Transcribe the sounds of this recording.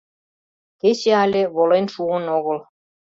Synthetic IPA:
ket͡ɕeɑlʲĕβolenʃuənoɣɤ̆l

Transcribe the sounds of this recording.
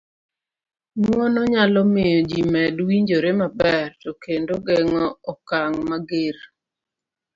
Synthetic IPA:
nwɔnɔɲalɔmɪjɔd͡ʒimɛdwiɲd͡ʒoɾemabɛrtɔkendoɡɛŋɔɔkaŋmaɡeɾ

